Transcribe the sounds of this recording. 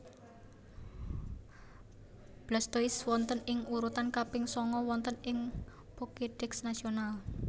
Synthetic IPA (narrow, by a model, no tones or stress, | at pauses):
b̥last̪oɪswɔnt̪ənɪŋuɾut̪ankapɪŋsɔŋɔwɔnt̪ənɪŋ | pokeɖ̥ɛksnasional